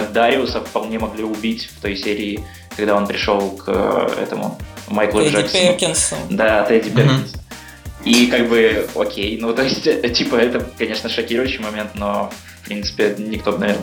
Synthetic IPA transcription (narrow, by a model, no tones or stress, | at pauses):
d̪aɾʲɪʊsəfpɐlˠnʲe̞mɐɡlʲiʊbʲitʲft̪o̞jsʲeɾʲɪː | kɐɡd̪ao̞npɾʲɪʂo̞lˠkʰɛ̰t̪əmʊ̰majklˠʊʐaksəʊkʲnsd̪at̪ɛdʲipʲekʲɪns | ikaɡ̚bɨokʲʰejnut̪o̞ɪsʲtʲtʲipəɛt̪əkɐnʲe̞ʂnəʂɐkʲiɾʊjʉɕːɪjmɐmʲe̞nt̪no̞f | pɾʲint̪sɨ̥pʲɪnʲɪkt̪o̞bənɐvʲern